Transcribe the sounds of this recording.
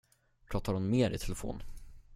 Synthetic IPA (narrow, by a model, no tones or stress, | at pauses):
pʰɾɔːt̪ːaɾʊnmeːɾɪt̪ʰɛlɛfo̰ːn